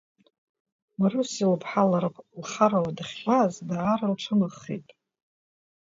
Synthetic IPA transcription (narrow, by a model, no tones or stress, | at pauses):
marusilpʰħalaɾɨpʼlχaɾawadaχʲazdaʕaɾalʈ͡ʂʰɨmaχːḛjtʼ